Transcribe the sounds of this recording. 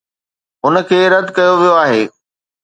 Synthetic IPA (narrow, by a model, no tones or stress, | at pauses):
ɦʊnə̆kʰeːɾɐd̪ʱkɐjoʋijoaːɦeː